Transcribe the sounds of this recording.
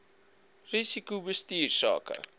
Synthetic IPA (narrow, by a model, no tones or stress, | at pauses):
risikubəstiːrsɑ̰ːkə̰